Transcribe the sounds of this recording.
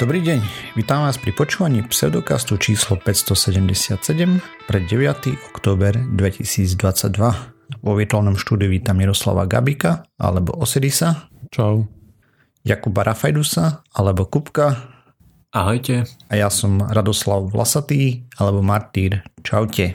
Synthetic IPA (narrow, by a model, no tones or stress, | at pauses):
d̪̥ɔbɾiːɟɛɲʋiːt̪aːmʋaːspɾipɔt͡ʃuːʋaɲiːpsɛ̰ʊd̪ɔka̰st̪ut͡ʃiːslɔpɛcst̪ɔsɛɟɛmɟɛsɪat̪sɛɟɛmpɾɛɟɛʋɪat̪iʔɔkt̪ɔːbɛɾd̪ʋɛcisiːd͡zd̪ʋat͡saɟd̪ʋaʋɔʋiɛt̪ʊanɔmʃt̪uːd̪iuʋiːt̪amiɾɔsla̰ʋa̰ɡa̰bikaa̰lɛbɔ̰ʔɔsɛɾisat͡ʃaʊ | jakubaɾʔafajd̪usaalɛbɔkupka | aɦɔjcɛajasɔmɾad̪ɔslaʊʋla̰sat̪iːalɛbɔmaɾt̪iːɾt͡ʃaʊcɛ